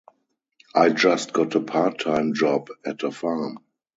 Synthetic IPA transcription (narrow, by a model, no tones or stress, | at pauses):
ʔaɪd͡ʒast̚ɡ̥ɔtəpʰaːtʰːãɪ̃md͡ʒɔbɛtəfam